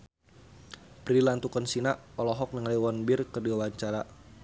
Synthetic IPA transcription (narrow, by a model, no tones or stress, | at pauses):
pɾilant̪ukɔnsinaʔɔlɔɦɔk̚nəŋaliwɔnbɪrkərdiawaɲt͡ʃaɾa